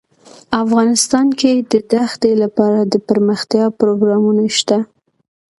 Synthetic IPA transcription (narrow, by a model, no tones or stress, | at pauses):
afɣɑnɪst̪ɑnked̪əd̪axd̪elapɑɾad̪əpəɾməxt̪jɑpɾoɡɾɑmunaʃt̪a